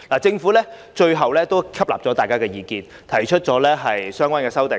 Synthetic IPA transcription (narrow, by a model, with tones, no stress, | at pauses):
laː˨˩t͡sɪ˧ŋfuː˨˥lɛː˥ | t͡ʃɵ˧ɥɦɐ˨wlɛː˥t̪o˥wkʰɐ˥p̚la̰ː˨p̚t͡sɔː˨˥t̪aː˨jkaː˥kɛː˧jiː˨˧kiː˧n | t̪ʰɐ˨˩jt͡ʃʰɵ˥t̚t͡ʃt͡sɔː˨˥lɛː˥ɦɐ˨jsœː˥ŋkʷaː˥nkɛː˧sɐ˥wt̪ɪ˨˩ŋ